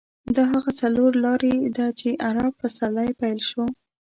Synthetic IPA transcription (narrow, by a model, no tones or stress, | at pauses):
d̪ɑɦaɣat͡saloɾlɑɾed̪ɑt͡ʃeʔaɾab̚pəsalajpajlʃo